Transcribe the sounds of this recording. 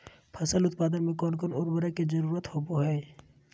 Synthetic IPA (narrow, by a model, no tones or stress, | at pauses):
pʰɐsəlʊt̪̚paːd̪ənmẽkɔːnkoːnoɾbəɾaked͡ʒəɾuːɾət̪hoːboɦɛː